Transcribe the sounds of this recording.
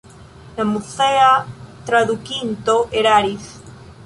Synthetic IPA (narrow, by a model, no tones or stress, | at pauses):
namuθeat̪ɾaðukint̪oʔeɾaɾiθ